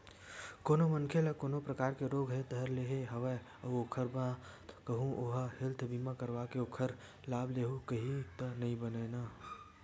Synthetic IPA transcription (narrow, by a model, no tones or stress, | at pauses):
koːnomənkʰelakoːnopɾɐkaːɾkeɾoːɡɦɛt̪ɐɾleːɦeɦɐʋə | ɐokʰəɾbakəɦũʔoɦahɪlt̪ʰbiːmakəɾʋakeokʰəɾ | laːbleːɦukəɦit̪ənɐɦĩbəneːnaː